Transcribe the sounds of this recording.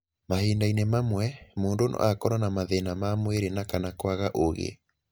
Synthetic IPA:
maheːndainemamwɛmoːndonʔɔ̰akɔɾanamaðenamamweɾenakanakwaɣaʔoɣḛ

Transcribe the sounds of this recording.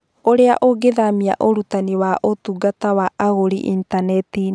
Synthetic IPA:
oɾeaʔoɡeðamia̰ʔoɾutaniwaʔotuɡatawaaɣoɾḭʔḭntanɛti

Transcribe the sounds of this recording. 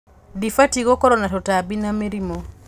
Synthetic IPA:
difatiɣɔkɔɾɔnatɔtabinameɾimɔ

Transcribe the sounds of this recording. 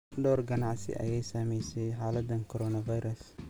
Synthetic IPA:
ɖɔːrɡɐnɑʕsɪ̰ʔɐ̰jɛjsaːmɛjsɛjħaːlɐd̪ɐnkʰɔɾɔːnɐvɐjɾɐs

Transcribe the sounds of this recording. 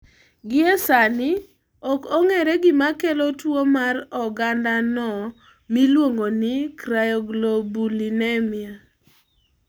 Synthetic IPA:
ɡɪɛsanɪ | ɔkɔŋeɾɛɡɪmakelotwomarɔɡandanɔ | milwoŋɡonɪkɾajɔɡlobulinɛmɪa

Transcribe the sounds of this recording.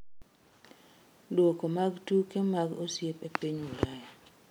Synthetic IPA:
dwɔkomaɡtukemaɡosjepepiɲulaja

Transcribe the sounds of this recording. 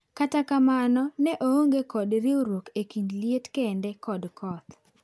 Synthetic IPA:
katakamanɔnɛʔooŋɡekɔdɾɪoɾwokekindlietkendekɔdkʰɔt̪

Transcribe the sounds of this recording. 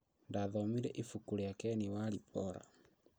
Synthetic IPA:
ndaðɔmiɾɛʔifukuɾejakɛniwalipʰɔɾa̰

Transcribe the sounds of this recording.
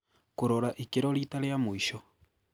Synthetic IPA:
koɾɔɾaʔikeɾɔɾitaleamoiʃɔ

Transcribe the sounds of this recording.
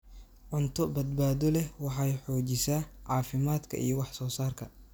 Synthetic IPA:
ʕʊnt̪ʰɔbɐd̪baːðɔlɛwɑħɑjħɔːt͡ʃɪsaːʕɑːfɪmaːd̪kʰɐ̰ʔḭjɔwɑħsɔːsaːrkʰɐ

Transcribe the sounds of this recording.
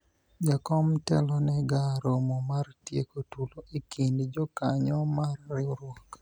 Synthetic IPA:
d͡ʒakɔmtɛlɔnɛɡaɾomomartjekotuloʔikindd͡ʒɔkaɲɔmarːɪɾwɔk

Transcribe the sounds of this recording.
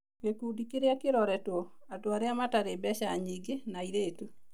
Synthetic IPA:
kwekudikeɾeakeɾɔɾɛtɔ | adoaɾeamataɾebɛɕaɲiɡenaiɾeːtu

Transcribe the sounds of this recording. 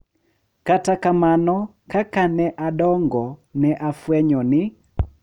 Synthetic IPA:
katakamanɔ | kakanɛʔaɗɔŋɡɔnɛʔafwɛɲɔnɪ

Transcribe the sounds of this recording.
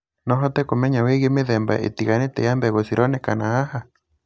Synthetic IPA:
nɔɦɔtɛkomɛɲaweɣemeðɛmba̰ʔḛtiɣanetɛ̰jambɛɣosiɾɔnekanahaha

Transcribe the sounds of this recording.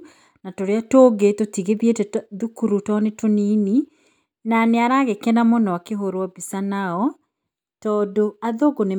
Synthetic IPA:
natoɾeatoːɡetotiɣeβietɛðukuɾutɔnetonini | naneaɾaɣekɛnamonɔakeɦoɾwɔbisanaɔ | tɔːdoaðoɡone

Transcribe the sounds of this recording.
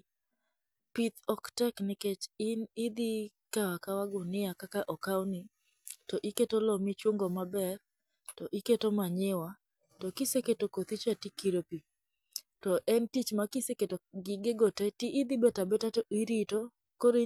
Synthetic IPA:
pit̪ɔktɛkniket͡ʃɪnid̪i | kawakawaɡʊnɪakakaʔɔkawni | tɔʔiketolɔmit͡ʃwoŋɡomabɛr | tɔʔiketomaɲɪwa | tɔkiseketokot̪it͡ʃɛtikiɾopi | tɔʔɛntit͡ʃmakiseketoɡɪɡeɡotɛtiʔid̪ibɛtabɛtatɔiɾito | koɾi

